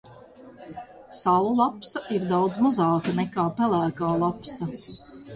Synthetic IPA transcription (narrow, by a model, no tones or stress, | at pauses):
salˠulˠapsaʔiɾd̪awd̪zmɔzɑːkanɛkaːpɛlæːkaːlˠapsɐ